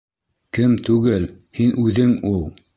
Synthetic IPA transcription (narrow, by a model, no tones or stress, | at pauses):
kɘmt̪ʉɡɘlhinʔʉðɘŋulˠ